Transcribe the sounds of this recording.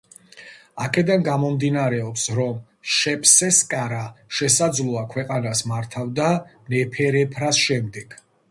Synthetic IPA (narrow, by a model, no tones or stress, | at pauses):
akʰɛd̪anɡamɔmd̪inaɾɛɔpsɾɔm | ʃɛpʰʼsɛskʼaɾaʃɛsad̪zlˠuakʰwɛqʼanasmaɾt̪ʰavd̪a | nɛpʰɛɾɛpʰɾasʃɛmd̪ɛɡ̥